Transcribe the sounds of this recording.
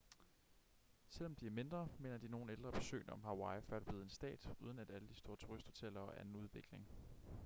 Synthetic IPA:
sel̰ɒ̽md̥iæɐme̝nd̥ʁɐme̝̰ːnɐd̥ino̝ːn̩eld̥ʁɐb̥e̝sø̰ːnɒ̽mɦɑ̈wɑ̈ɪfɶɐd̥b̥e̝ð̞̩ˠe̝nsd̥ɛ̰ːd̥uð̞ˠnæd̥æləd̥isd̥o̝ɐt͡sʰuʁisd̥ho̝t͡sʰel̰ɐɒ̽ʔæɐen̩uð̞ˠʋeɡ̥le̝ŋ

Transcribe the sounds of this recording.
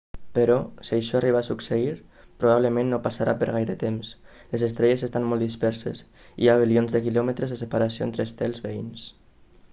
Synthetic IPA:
pəɾɔsiəjʃɔariβaːsukseiɾ | pɾuβ̞aβləmẽnːopasaɾapəɾɣajɾət̪ems | lezest̪ɾɛʎezest̪anmɔlˠd̪ispɛɾsḛs | ḭaβ̞ilionzðəkilɔmət̪ɾezðəsəpaɾasio̰ḛnt̪ɾest̪ɛlˠzβeins

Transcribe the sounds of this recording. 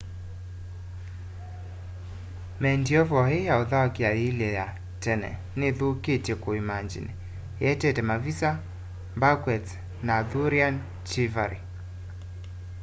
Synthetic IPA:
mɛndiɔvɔhejaoðaakiailɛja | tɛnɛ̰ | nɪðuketekuimaɲd͡ʒḭnɛ | jɛtɛtɛmavisa | mbakwɛt͡s | naðuɾian | t͡ʃivaɾi

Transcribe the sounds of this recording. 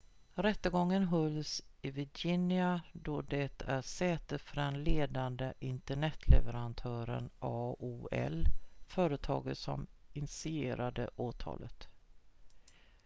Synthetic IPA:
ɾɛt̪ːəɡɔŋːənɦɔlsɪvɪd͡ʒɪnɪad̪ɔd̪ɛt̪ʰæʂɛːt̪ət̪fœɖɛnleːd̪and̪əʔɪnt̪əɳɛt̪ʰːlɛvəɾant̪ʰœːɾə̰nʔɑːuːɛ̰lfœːɾət̪ʰɑ̰ːɡəsɔ̰mɪnsɪeːɾad̪ə̰ʔoːt̪ʰɑ̰ːlət̪

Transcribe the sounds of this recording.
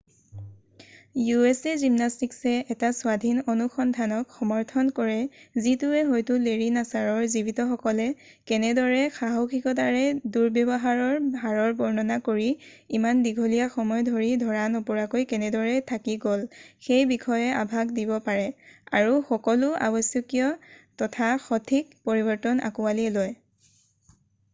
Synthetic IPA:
juɛsɛzimnastiksɛɛtasʊwadʱinonuxɔndʱanɔkxɔmɔɹtʰɔnkɔɹɛzitʊɛɦojtʊleɹinasaɹɔɹzibitɔxɔkɔlɛ | kɛnɛdɔɹɛxaɦokʰikɔt̬aɹɛduɹbjɔbɔɦaɹɔɹbʱaɹɔɹbɔɹnɔnakoɹi | imandiɡʱolijaxɔmɔjdʱoɹidʱɔɹanɔpɔɹakojkɛnɛdɔɹɛtʰakiɡolxejbikʰɔjɛʔabʱakdibɔpaɹɛa̰ɹuxɔkɔlʊa̰bɔsjɔkijɔtɔtʰaxɔtʰik̚poɹibɔɹtɔna̰kualiɛloj

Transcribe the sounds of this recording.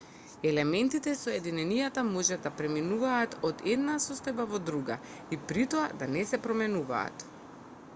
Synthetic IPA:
ɛlɛmɛnt̪it̪ɛsɔjɛd̪inɛnijat̪amɔʒɛd̪apɾɛminuvaːt̪ɔd̪ɛd̪nasɔst̪ojbavɔd̪ɾuɡa̰ | ipɾit̪oad̪anɛsɛpɾɔmɛnuva̰ːt̪

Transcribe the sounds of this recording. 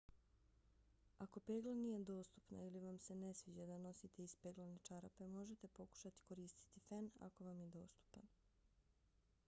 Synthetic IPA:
ako̞pe̞ːɡlˠanije̞d̪o̞ːst̪u̥pna̰iliʋamse̞ne̞sʋid͡ʑad̪ano̞sit̪e̞ispeːɡlanet͡ʃaɾape̞mo̞ʒe̞t̪e̞po̞ku̥ʃat̪i̥ko̞ɾiːst̪i̥t̪ifana̰ko̞ʋamjed̪o̞ːst̪u̥pan

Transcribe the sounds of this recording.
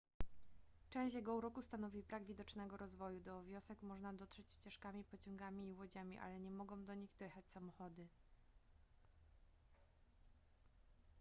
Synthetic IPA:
t͡ʂɛ̃w̃ɕjɛɡɔuɾɔkust̪anɔvʲibɾaɡvʲid̪ɔt͡ʂnɛɡɔɾɔzvɔjud̪ɔvʲjɔsɛkmɔʐnad̪ɔt̪ʂɛt͡ɕst͡ɕɛʂkamʲipɔt͡ɕɔŋɡamʲiːwɔd͡ʑamʲiʔa̰lɛɲɛmɔɡɔ̃w̃d̪ɔɲiɣd̪ɛjɛxat͡ɕsamɔxɔd̪ɘ

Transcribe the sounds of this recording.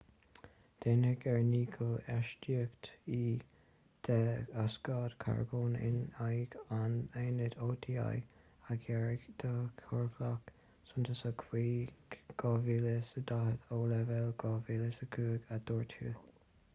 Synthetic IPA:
d̪̥enəɡɛɹniːɡʰəlɛʃtiəkt̪iː | d̪̥ɛaskɑːd̪kʰa̰ɹboːnɪ̰najɡaneːnəd̪oːt̪ʰia̰j | aɡɛɹɪɡd̪̥əkʰɔɹɡlak | sʊnt̪ʰəsəkʰwiːɡ̥ɑːviːləsəd̪ahət̪oːlɛvɛlɡɑviːləsəkʰuːɡad̪̥ɔːɹt̪ʰṵː

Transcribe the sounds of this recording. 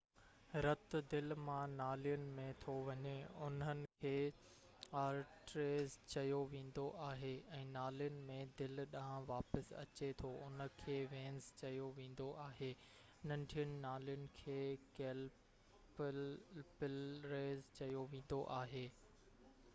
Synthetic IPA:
ɾɐt̪d̪ɪlmãnaːlijʊnɪ̆mẽt̪ʰoʋɐɲeʊnənɪ̆kʰeː | aːɾʈɾeːzt͡ɕɐjoʋẽːn̆d̪oʔaːɦeɛ̃ːnaːlijənɪ̆mẽd̪ɪlɗaɦãʋaːpəsɐ̰t͡ɕet̪ʰoʊn̤ə̆kʰeːʋẽːnst͡ɕɐjoʋẽːn̆d̪oʔaːɦeː | nɐ̃ɳɖʱijənɪ̆naːlijʊnɪ̆kʰeːkeːl | p | pɪlɾeːzt͡ɕɐjoʋẽːn̆d̪oʔaːɦeː

